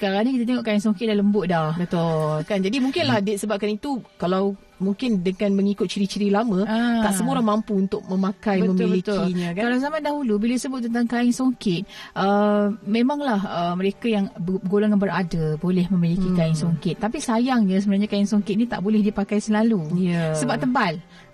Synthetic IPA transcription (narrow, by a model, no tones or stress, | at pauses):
kəɾanakit̪at̪eŋɔʔkaɪŋsoŋkɪt̪̚daləmbʊʔ̪̚dabət̪okand͡ʒadimuŋkɪnlahdɛt̪̚səbap̚kanit̪ukalaw | muŋkɪndəŋanməŋikʊt̪̚t͡ʃiɾit͡ʃiɾilamə̃at̪aʔsəmuoɾaŋmampuunt̪ʊk̚mə̃makajbəməmiblit̪ʊliɲãkakalazamadaɦulubilaisəbʊt̪̚ːənt̪aŋkaɪŋsoŋkɪt̪̚ʔəmẽmãŋlahəməɾekajaŋɡolaŋanbəɾadabolɛhmə̃milikikaɪŋsoŋkɪt̪ːapisajaŋɲãs̬əbənarɲakaɪŋsoŋkɪt̪̚nit̪a̰ʔbolɛhdipakajsəlalujəsəbap̚t̪əmbal